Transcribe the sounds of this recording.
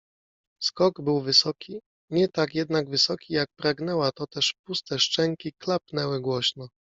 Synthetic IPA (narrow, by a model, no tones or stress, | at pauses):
skɔɡbɘwvɘsɔkʲi | ɲɛt̪akjɛd̪naɡvɘsɔkʲijak̚pɾaɡn̪ɛwat̪ɔt̪ɛʂpust̪ɛʂt͡ʂɛŋkʲiklapnɛwɘɡwɔɕnɔ